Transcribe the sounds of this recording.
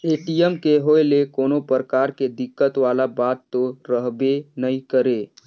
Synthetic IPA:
eːʈijɛmkeɦoelekoːnopəɾəkaːɾked̪ɪkːət̪ʋaːlabaːt̪ːoɾəɦbenəĩkəɾeː

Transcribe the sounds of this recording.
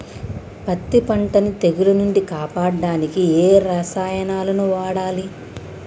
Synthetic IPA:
pɐt̪ːipɐɳʈɐnit̪e̞ɡulɐnuɳɖikaːpaːɽɐɖaːnikieːɾɐsaːjɐnaːlɐnuʋaːɽaːli

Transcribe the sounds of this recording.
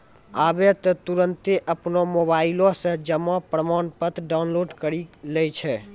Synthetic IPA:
abet̪ɔt̪uɾənt̪eʔəpnomobailɔ̃sə̃d͡ʒəmːɔpɾəmanpət̪ʰɖawnloɖkəɾilɛjt͡ʃʰɛ

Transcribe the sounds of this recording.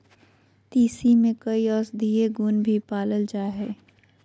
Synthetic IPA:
t̪iːsimẽkɐiɔːsd̪ʱieɡuːnbʱipaːləld͡ʒaːɦɛː

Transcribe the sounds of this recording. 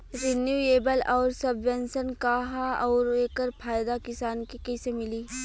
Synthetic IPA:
ɾɪnjuːeːbəlɔːɾsɐbʋɛnsənkaɦaɔːɾeːkəɾpʰaːjd̪akɪsaːnkikɛːsemɪliː

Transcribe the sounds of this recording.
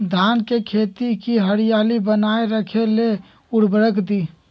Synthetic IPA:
d̪ʱankekʰet̪ikiɦəɽijaːlibənaeɾəkʰele | ʊɽ̤bəɾəkd̪i

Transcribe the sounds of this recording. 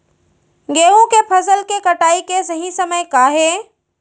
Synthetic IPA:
ɡeːɦũkepʰəsəlkekəʈaːikesəɦĩsəməjkaːɦe

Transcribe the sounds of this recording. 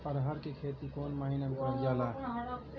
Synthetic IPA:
pəɾɦaɾkekʰeːt̪ikoːnməɦinamkəɾd͡ʒala

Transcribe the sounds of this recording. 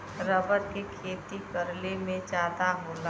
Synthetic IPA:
ɾəbəɾkekʰeːt̪ikəɾlemẽd͡ʒaːd̪aɦoːla

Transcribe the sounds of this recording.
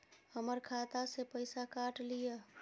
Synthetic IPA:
həməɾkʰat̪asepəjsakaʈlijə

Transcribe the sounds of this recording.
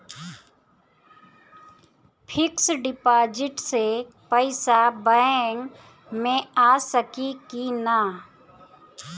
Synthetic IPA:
pʰɪksɖɪpaːd͡ʒɪʈse | pəɪsabəŋ | mẽaːsəkikinaː

